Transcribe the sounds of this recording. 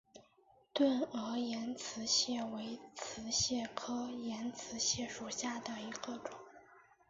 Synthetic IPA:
t̪wə˥˩nɤ˧˥jɛ˧˥nt͡sʰɹ̩˧˥ɕjɛ˥˩we˧˥ɪt͡s̩ʰ˧˥ɕjɛ˥˩kʰɤ˥jɛ˧˥nt͡sʰɹ̩˧˥ɕjɛ˥˩ʂu˨˩ɕja˥˩d̪ə˩i˧˥ɡ̥ə˧ʈ͡ʂʊ˨˩˦

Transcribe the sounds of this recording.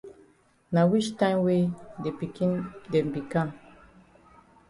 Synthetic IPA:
na˨wi˦ʃtã˦nwe˦de˨pi˨ki˦nde˨m˨bi˨ka˦˨ŋ

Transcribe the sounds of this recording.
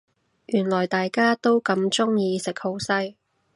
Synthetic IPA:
jyː˨˩nlɔː˨˩jt̪aː˨jkaː˥t̪o˥wkɐ˧mt͡ʃʊ˥ŋjiː˨˧sɪ˨k̚ho˨˥wsɐ˥j

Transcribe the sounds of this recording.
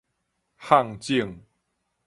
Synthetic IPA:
ha˥˧˨ŋt͡ɕi˥˧əŋ

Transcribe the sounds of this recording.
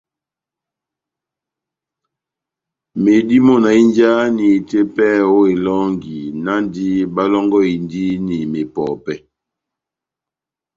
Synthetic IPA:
me˨di˦mɔ˦na˨i˦nd͡ʒa˦ni˨te˦pɛ˦o˦e˨lɔ˦ŋɡi˨na˦ndi˦ba˦lɔ˦ŋɡɔ˦i˨ndi˦ni˨me˨pɔ˨pɛ˦

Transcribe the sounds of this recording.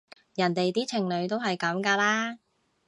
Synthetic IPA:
jɐ˨˩nt̪e˨jt̪iː˥t͡sʰɪ˨˩ŋlɵ˨˧ɥt̪o˥wɦɐ˨jkɐ˨˧˥mkaː˧laː˥

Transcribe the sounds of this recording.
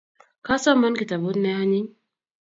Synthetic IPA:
ka˦sɔ˦ma˦nki˨ta˨bu˦tnɛ˦a˦ɲi˦ɲ

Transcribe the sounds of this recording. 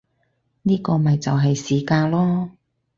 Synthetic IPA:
niː˥kɔː˧mɐ˨jt͡sɐ˨wɦɐ˨jsiː˨kaː˧nlɔː˥

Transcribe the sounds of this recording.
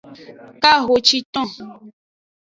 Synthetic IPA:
ka˦ɦo˨t͡ʃi˦t̪ɔ̃˦

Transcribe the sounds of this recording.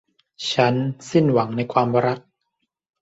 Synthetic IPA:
t͡ɕʰa˦˥nsi˥˩nwa˩˦ŋna˧jkʰwaː˧m˧ɾa˦˥k̚

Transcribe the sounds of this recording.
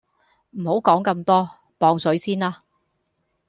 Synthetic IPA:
m̩˨˩ho˨˥wkɔː˨˥ŋkɐ˧mt̪ɔː˥ | pɔː˧ŋsɵ˨˥ɥsiː˥nlaː˥

